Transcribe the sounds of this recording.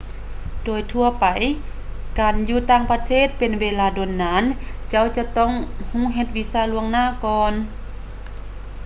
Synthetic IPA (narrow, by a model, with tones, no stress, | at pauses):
doː˨˩jt̪ʰu˧ɐpa˨˩j | kaː˨˩njuː˧t̪aː˧˨ŋpa˧t̪ʰeː˥˨t̪̚pe˨nweː˧laː˧˩do˨nːaː˨˧˥nt͡ɕa˧˥˨wt͡ɕa˧t̪ɔ˧˥˨ŋhũː˧˥˨ɦe˧t̪̚wi˧˥saː˧˩lu˧əŋnaː˧˥˨kɔː˧n